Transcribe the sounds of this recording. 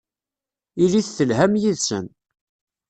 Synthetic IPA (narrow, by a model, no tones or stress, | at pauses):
iliθθəlɦæmjiðsə̰n